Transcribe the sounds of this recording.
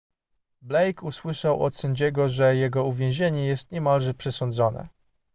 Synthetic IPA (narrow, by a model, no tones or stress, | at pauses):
blɛjkuswɘʂawɔ̰t̪sɛɲd͡ʑɛɡɔʐɛjɛɡɔuvʲjẽw̃ʑeɲɛjɛst̪̚ɲɛmalʐɛpʂɛsɔnd̪zɔnɛ̰